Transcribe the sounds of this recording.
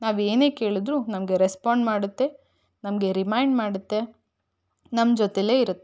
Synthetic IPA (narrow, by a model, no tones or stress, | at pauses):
naːʋeːne̞ːke̞ːɭid̪ɾunɐmɐɡe̞ɾespaːɳɖmaːɽut̪ːe̞ | nɐmɡe̞ɾimɐjɳɖmaːɽut̪ːe̞ | nɐmd͡ʒɔt̪ele̞ːiɾut̪ːe